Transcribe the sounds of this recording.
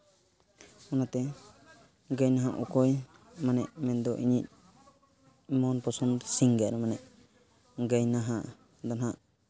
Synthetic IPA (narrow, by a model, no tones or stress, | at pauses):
ɔnat̪ɛ | ɡəjnaɦaʔukɔj | manɛʔmɛnd̪ɔʔḭɲic̚ | mɔnpɔsɔnd̪siŋɡaɾɔmanɛʔ | ɡəjnaɦaʔ | d̪anaʔ